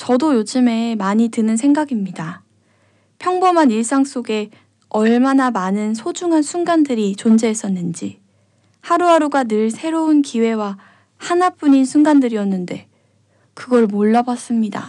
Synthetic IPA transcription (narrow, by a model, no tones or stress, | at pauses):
t͡ɕʌdojod͡ʑɯme̞maɲitɯnɯnsʰe̞ŋɡaɡimɲida | pʰjʌŋbomaniɭs͈aŋs͈oɡe̞ | ʌɭmanamanɯnsʰod͡ʑuŋɦansʰunɡandɯɾit͡ɕond͡ʑe̞ːs͈ʌnːɯnd͡ʑi | haɾuɦaɾoɡanɯɭsʰe̞ɾounkiwe̞wa | hanap͈uɲinsʰunɡandɯɾiʌnːɯnde̞ | kɯɡʌɭmoɭːabas͈ɯmɲida̰